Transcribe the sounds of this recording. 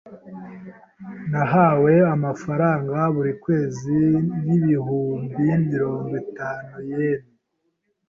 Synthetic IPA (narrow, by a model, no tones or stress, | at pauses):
naɦaːwe̞amafaɾaːŋɡaβuɾikwe̞ːziniβiɦuːmbimiɾo̞ːŋɡwitaːnujene